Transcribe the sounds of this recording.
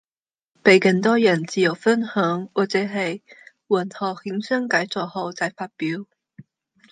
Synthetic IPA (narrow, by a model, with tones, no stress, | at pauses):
pe˨˩jkə˧ŋt̪ɔː˥jə˨˩nt͡si˨˥jo˨˩wfə˥nhə˨˥ŋwɔ˨˩t͡sɛː˨˥ɦe˧˥˩j | wə˨˩nhɑ˨˩hi˨˥ŋsə˥ŋka˨˥jt͡sɔ˨˧˩ho˧˩wt͡sa˧˩jfaː˧t̚pi˨˥w